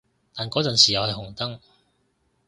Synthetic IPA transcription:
t̪aː˨nkɔː˨˥t͡sɐ˨nsiː˨˩jɐ˨˧whɐ˨jɦʊ˨˩ŋt̪ɐ˥ŋ

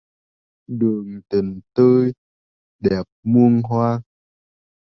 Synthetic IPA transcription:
ɗɨ˨˩əŋt̪i˨˩ŋt̪əː˧j | ɗɛ˨˩p̚mu˧əŋɦwaː˧

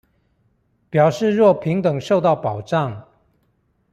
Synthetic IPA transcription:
pjɑ˨˩ʊʂɻ̩˥˧ɻwɔ˥˨˩pʰi˧˥ŋt̪ə˨˩ŋʂo˥˧ʊt̪ɑ˥˩ʊpɑ˨˩ʊʈ͡ʂɑ˥˨ŋ

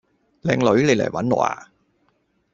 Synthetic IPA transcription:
lɛ̰˧ŋlo˨˦jle˨˩lɛ̰˨˩wa˨˥˦nː˨ʔa̰ː˧˩

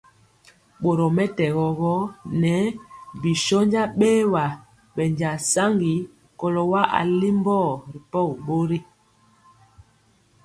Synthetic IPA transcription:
ɓo˨ɾɔ˨mɛ˦tɛ˨ɣɔ˨ɣɔ˦nɛ˨˦bi˨ʃɔ˦ɲd͡ʒa˦ɓeː˦wa˨ | ɓɛ˨ɲd͡ʒa˨sa˦ŋɡi˨˦ | kɔ˨lɔ˨wa˦ʔa̰˨li˦m˦bɔ˦˨ɾi˨pɔ˦˨ɓo˦ɾi˦

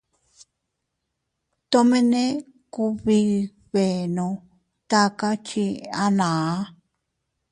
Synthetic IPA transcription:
t̪o˦˧mẽ˦nẽ˦ | ku˧βi˧ | βe˨nõ˧ | t̪a˦ka˦t͡ʃi˧a˦nã˨˦

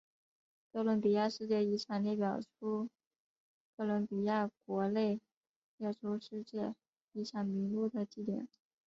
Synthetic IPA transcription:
kɤ˥˩lwə˧˥npi˨˩ja˥˧ʂɻ̩˥˧t͡ɕjɛ˥˩i˧˥ʂʰjɑ˨˩ŋli˥˩pjɑ˨˩ʊʈ͡ʂʰu˥ | kʰɤ˥˩lwə˧˥npi˨˩ja˥˩kwɔ˧˥le˥˩ɪ | jɛ˥˩ʈ͡ʂʰu˧˥ʂɻ̩˥˧t͡ɕjɛ˥˩ | i˧˥ʂʰjɑ˨˩ŋmi˧˥ŋlu˥˩d̪ə˨t͡ɕi˥˩t̪jɛ̰˨˩˦n

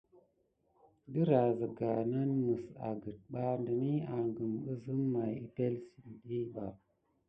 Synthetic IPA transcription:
də˦ɾa˨zə˨ɡa˨na˦nmə˨sa̰˨ɡə˨t̚ɓa˦ndə˨ni˦a˨ŋɡə˨mɓə˦zɨ˦mːa˨ji˦pe˦lsi˨nɗi˦ɓa˨

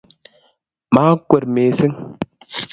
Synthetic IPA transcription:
maː˨˦kwɛ˨ɾmeː˨si˦ŋ

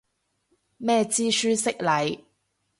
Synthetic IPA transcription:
mɛː˥t͡siː˥syː˥sɪ˥k̚lɐ˨j

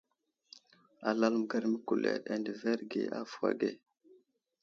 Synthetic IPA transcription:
a˨la˦lm˨ɡa˦ɾmə˦ku˨lḛ˨ɾa˨ndə˨ve˦ɾɡḛ˨a˦fu˨a̰˨ɡe˦˨

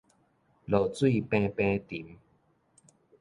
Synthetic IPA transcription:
lo˨˩t͡swi˥˧˨pɛ̃˧˦pɛ̃˦t̪i˨˦m

